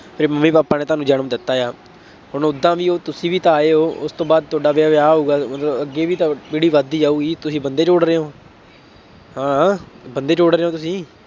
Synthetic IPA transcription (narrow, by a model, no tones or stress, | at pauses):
pʰeɾməmːĩːpaːpaːneːt̪oaːnũːd͡ʒaːɳəmːd̪ɪt̪ːaːjaː | ɦʊɳʊd̪ãːʋiːoːt̪ʊsĩːʋiːt̪aaːeːɦoːʊst̪õːbaːd̪̚t̪ʊaːɖaːʋaːʋɪjaːɦoːɡaːmət̪ləbəɡːeːʋiːt̪ãpeːɽiːʋaːd̪iːd͡ʒaːuːɡiːt̪ʊsĩːbənd̪eːt͡ʃoːɽɾeːoː | ɦãːbənd̪eːt͡ʃoːɽɾeːoːt̪ʊsĩː